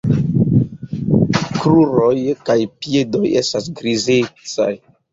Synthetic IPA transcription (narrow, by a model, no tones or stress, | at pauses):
kɾuɾojkajpiedo̞je̞̰stasɡɾizet͡sa̰j